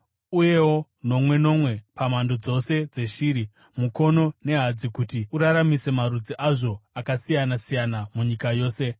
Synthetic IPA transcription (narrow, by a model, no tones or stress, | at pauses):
uje̞wo | no̞mwe̞no̞mwe̞pamando̞d͡zo̞se̞d͡ze̞ʃiːɾi | muko̞no̞ne̞ɦad͡zikutiuɾaɾamise̞maɾud͡ziʔaʐo̞akasijanasijanamuɲikajo̞ːse̞